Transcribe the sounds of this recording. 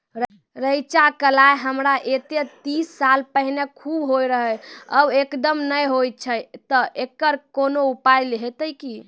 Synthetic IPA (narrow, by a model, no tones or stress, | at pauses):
ɾ | ɾəjt͡ʃakəlaeɦəmɾaʔet̪et̪isːalpəɦinekʰubɦojɾəɦəjəbekd̪əmnəjɦojt̪̚t͡ʃʰəjt̪əʔekːəɾkonoupajleɦet̪əjki